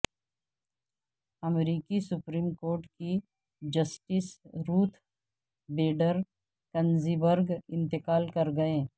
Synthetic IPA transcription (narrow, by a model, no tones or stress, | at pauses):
ɐmɾiːkisʊpɾiːmkoːɾʈki | d͡ʒɐsʈɪsɾuːt̪ʰ | beːɖəɾ | kɐnzibəɾɡɪ̃nt̪ɪkaːlkɐɾɡɐẽː